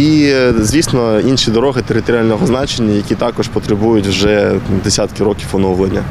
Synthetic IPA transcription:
izʋʲisnɔinʃʲid̪ɔɾɔɦɪt̪eɾɪt̪ɔɾʲɪalʲnɔɦɔznɑt͡ʃenʲːɐjɐkʲit̪ɑkɔʃpɔt̪ɾebujʊtʲwʒɛd̪esʲat̪kɪɾɔkʲiwfɔnɔwlˠenʲːɐ

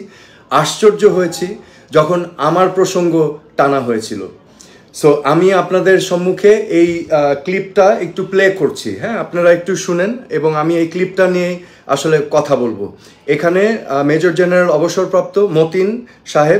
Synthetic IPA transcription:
aʃt͡ɕoɾd͡ʑoɦojet͡ɕʰi | d͡ʑɔkʰonamaɾpɾoʃoŋɡoʈanaɦojet͡ɕʰilo̰ | soʔamiapnad̪eɾʃɔmːukʰeejklip̚ʈaek̚ʈuplekoɾt͡ɕʰḭɦɛ̃apnaɾaek̚ʈuʃuneneboŋamiejklip̚ʈanije | a̰ʃolekɔt̪ʰabolbo̰ | ekʰanemed͡ʑoɾd͡ʑenaɾalɔboʃoɾpɾap̚t̪omot̪in | ʃaɦeb

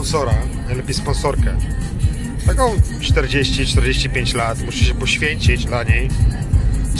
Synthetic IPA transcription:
nsɔɾanajlɛpʲjejspɔ̃nsɔɾkɛ | st̪akɔ̃w̃t͡ʂt̪ɛɾd͡ʑeɕt͡ɕit͡ʂt̪ɛɾd͡ʑeɕt͡ɕipʲjeɲt͡ɕlat̪muʂɛɕɛpɔɕfʲjeɲt͡ɕid͡ʑlaɲej

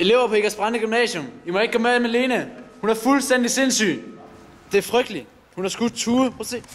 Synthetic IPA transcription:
ele̝ʊ̰ɐpʰɒ̽e̝ɡ̥ɐsb̥ʁɑnd̥əɡ̥ymnɛ̰ːsjɔmimɒeɡ̥̚ɡ̥ɒmeemæle̝ːnəhunæɐfulsd̥en̰d̥ise̝nsy̰ːn | d̥e̝æɐfʁœɡ̥d̥li | hunhɑ̈sɡ̥ud̥t͡sʰuːɐpʰose

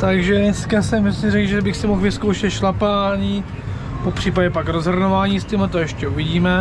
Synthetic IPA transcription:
t̪aɡʒɛnɛskasɛmsɪrɛɡʒɛbɪxsɪmoxvɪskowʃɛt̪ʃlapaːɲiː | popr̥iːpaɟɛpakɾozɦr̩novaːɲiːst̪ɪmat̪ojɛʃcɛuvɪɟiːmɛ

